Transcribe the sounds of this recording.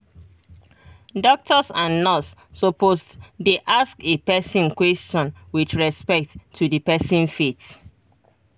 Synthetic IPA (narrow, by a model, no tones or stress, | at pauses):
dɔk̚tʰɔsãnːɔsː | oposddeʔaskepɛsĩnkwɛstɔ̃nwidɹɛspɛk̚tʰːudipɛsĩnfet